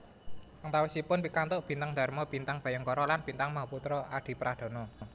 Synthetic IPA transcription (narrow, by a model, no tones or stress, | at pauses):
aŋt̪awɪsipʊnpikant̪ʊʔb̥i̤nt̪aŋd̪̥a̤rmɔb̥i̤nt̪aŋb̥a̤jəŋkɔɾɔlanb̥int̪aŋmaɦuput̪ɾɔad̪̥i̤pɾad̥ɔ̤nɔ